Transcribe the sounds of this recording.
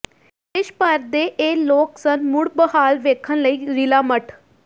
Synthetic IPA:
ɪʃpəɾd̪eːʔeːloːksənmʊɽbəɦaːlʋeːkʰənləiːɾilaːməʈʰ

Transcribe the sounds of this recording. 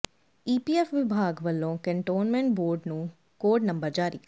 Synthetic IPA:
iːpiːeːfʋɪbʱaːɡʋɐlːõːkɐ̃ɳʈoːnmẽɳʈboːɾɖnũː | koːɖnɐ̃mbəɾd͡ʒaːɾḭː

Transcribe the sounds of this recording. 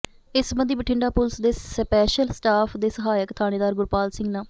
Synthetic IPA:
ɪsbənd̪iːbəʈʰɪɳɖaːpʊlsd̪eːspɛːʃəlsʈaːpʰd̪eːsəɦaːjəkt̪ʰaːɽ̃eːd̪aːɾɡʊɾpaːlsɪŋɡnaː

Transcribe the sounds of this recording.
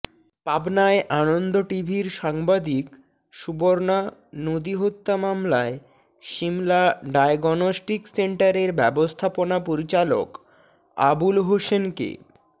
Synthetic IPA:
pabnaeʔanond̪oʈibʱiɾʃaŋbad̪ik | ʃuboɾnanod̪iɦot̪ːamamlae | ʃimlaɖajɡɔnosʈikseɳʈaɾeɾbɛbost̪ʰaponapoɾit͡ɕalo̰k | a̰bulɦoʃenkḛ

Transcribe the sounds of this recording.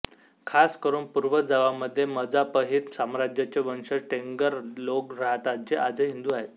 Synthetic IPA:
kʰaskəɾuːnpuɾʋəd͡zaʋaməd̪ʱːjeməd͡zapəɦiːt̪samɾad͡ʑjat͡ɕeʋənɕəɾʈeŋɡəɾlokɾaɦt̪ad͡ʑeʔad͡zəɦind̪uaɦet̪

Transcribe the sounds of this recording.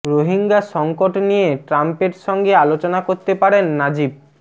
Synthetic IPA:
ɾoɦiŋɡaʃɔŋkoʈnijeʈɾampeɾʃɔŋɡealot͡ɕonakoɾt̪epaɽenːad͡ʑib̚

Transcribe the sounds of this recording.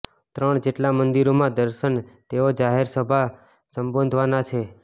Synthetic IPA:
t̪ɾəɳd͡ʒeʈlamənd̪iɾomãd̪əɾʃəɳt̪eod͡ʒaɦeɾsəbʱa | səmbə̃nd̪ʱʋanat͡ʃʰe

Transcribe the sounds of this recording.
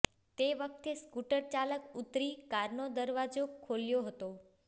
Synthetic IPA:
t̪eʋək̚t̪eskuʈəɾt͡ʃaləkut̪ɾikaɾnod̪əɾʋad͡ʒokʰoljoɦət̪o

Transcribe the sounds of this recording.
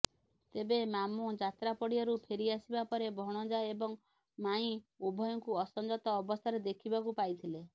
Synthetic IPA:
t̪ebemamud͡ʒat̪ɾapɔɽiɔɾupʰeɾiasibapɔɾebʱɔɽ̃ɔd͡ʒaebɔŋ | maĩubʱɔjɔŋkuɔsɔnd͡ʒɔt̪ɔːbɔst̪ʰaɾed̪ekʰibakupajt̪ʰile

